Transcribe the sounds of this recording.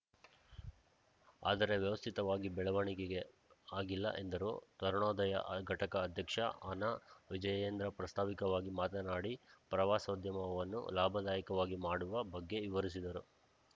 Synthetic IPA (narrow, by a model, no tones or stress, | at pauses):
a̰ːd̪ɐɾe̞ʋjɐʋɐst̪ʰit̪ɐʋaːɡibɛɭɐʋɐɳikeɡe̞ | aːɡilːɐ̰ʔe̞nd̪ɐɾuːt̪ɐɾɳɔːd̪ɐjɐ̰ʔɡʱɐʈɐkɐːd̪ʱjɐkʂɐanaʋid͡ʒɐjeːnd̪ɾɐpɾɐst̪ʰaːʋikɐʋaːɡimaːt̪ɐnaːɽipɾɐʋaːsɐd̪ʱjɐmɐʋɐnːṵlaːbʱɐd̪aːjɐkɐʋaːɡimaːɽuʋɐbɐɡːe̞ʋiʋɐɾis̬id̪ɐɾu